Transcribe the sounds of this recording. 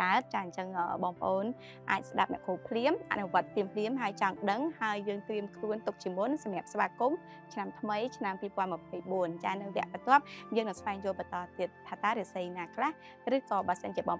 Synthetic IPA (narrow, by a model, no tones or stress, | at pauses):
aət̪̚t͡ɕaːɲt͡ɕəŋʔəːɓɑːŋpə̆ʔoːn | ʔa̰ːc̚sɗap̚nɛ̆əʔkʰuːpʰliəmʔa̰ʔnuʋŏət̪ːiəmpʰliəmɦaəjt͡ɕɑŋɗəŋhaəjːəːŋt̪riəmkʰluənt̪ʊk̚t͡ɕiəmunsɑmɛ̆əp̚sʋaːkum | t͡ɕʰnamt̪ʰməjt͡ɕʰnampiːpŏənməpʰəjɓuənt͡ɕaːnɨwʋɛ̆əʔpət̪ŏəp̚jəːŋnɨŋsʋaɛŋjŭəlɓɑnt̪ɑːt̪iət̪̚ʰːaːt̪aːɾesijnaːkʰlah | rɨːkɑːɓaəsənt͡ɕiəɓɑːŋ